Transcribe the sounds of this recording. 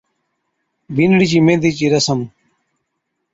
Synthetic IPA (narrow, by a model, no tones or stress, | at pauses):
binɽit͡ɕimẽːd̪it͡ɕiɾɐsəm